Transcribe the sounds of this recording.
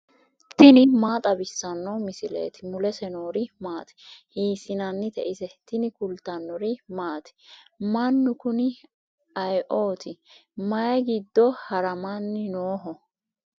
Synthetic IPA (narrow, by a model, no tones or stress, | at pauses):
t̪ɪnɪmaːt̪ʼɐbɪsːɐnːɔmɪsɪlḛːt̪ɪmʊlɛsɛnoːɾɪmaːt̪ɪ̥hiːsɪnɐnːɪt̪ɛʔɪsɛt̪ɪnɪkʊlt̪ːɐnːɔɾɪmaːt̪ɪ̥mɐnːʊkʊnɪ | ɐjʔo̞ːt̪ʰɪmɐjɛɡɪd̪ːɔhɐɾɐmanːɪnoːɦɔ